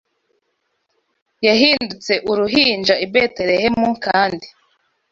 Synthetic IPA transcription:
jaɦiːndut͡se̞ʔuɾuɦiːnd͡ʒaibete̞ɾe̞hemuŋkaːndi

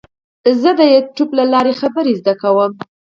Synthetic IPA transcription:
zəd̪əjɛʈublalɑɾexabəɾezd̪akawəm

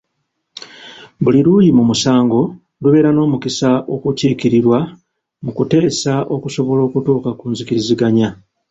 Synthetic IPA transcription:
buliɾuːjimumusaːŋɡo̞ | luβe̞ːɾano̞ːmukisaʔo̞kuciːkiɾiɾwa | mukute̞ːsaʔo̞kuso̞βo̞lo̞ːkutuːkakuːnzikiɾiziɡaɲa

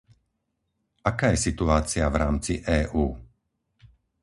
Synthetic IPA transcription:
akaːjɛsit̪uaːt͡siavɾaːmt͡siʔɛːʔuː

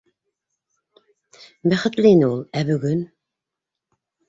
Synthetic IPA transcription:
bæχɘ̆t̪lɘinɘulˠæbɵ̆ɡɵn

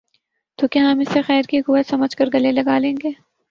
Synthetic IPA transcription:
t̪oːkjaɦɐmɪsexɛːɾkikʊesɐməd͡ʒkəɾɡɐlelɐɡaːlẽːŋɡeː

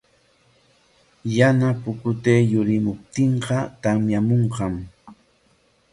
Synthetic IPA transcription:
janapʊkʊt̪eːjʊɾɪmʊp̚t̪ɪɴqɑt̪amjamoɴqɑm

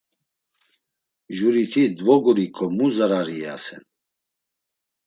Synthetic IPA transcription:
ʒuɾit̪ʰid̪vɔɡuɾikʰʼɔmuzaɾaɾia̰sɛ̰n

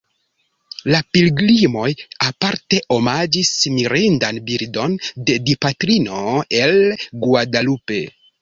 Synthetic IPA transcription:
lapilɡlimo̞japaɾte̞ʔomad͡ʒismiɾindanbiɾdo̞nde̞dipatɾino̞e̞lɡwadalupe̞̰

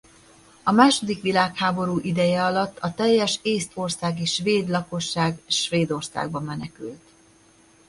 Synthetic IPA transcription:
ɒmaːʃo̞d̪ikʋilaːkhaːbo̞ɾuːʔid̪ɛjɛɒlɒt̪ːɒt̪ɛjːɛʃeːst̪o̞rsaːɡiʃʋeːd̪lɒko̞ʃːaːɡʃʋeːd̪o̞rsa̰ːɡ̚bɒmːɛnɛkylt̪

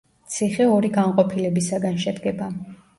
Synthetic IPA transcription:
t̪sʰiχɛɔɾiɡanqʼɔpʰilɛbisaɡanʃɛd̪ɡɛba

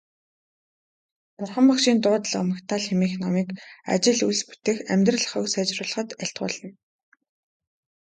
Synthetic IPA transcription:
pʊrχə̆mpakʃiːnt̪ʊːt̪ɮə̆χmə̆kt̪ʰaːɮxemiːxnɔmiːka̰t͡ɕɪ̆ɮuɮspu̥t̪eːxæmʲt̪rə̆ɮə̆χə̆ksæːt͡ɕrʊːɮə̆χə̆t̪æɬt̪̚ɢʊ̰ːɮə̆n

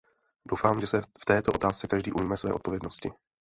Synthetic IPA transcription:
do̞wfaːmʒɛsɛft̪ɛːt̪oo̞t̪aːst͡sɛkaʒdiːʔumiːmɛsvɛ̰ːʔo̞t̪̚po̞vjɛdnoscɪ

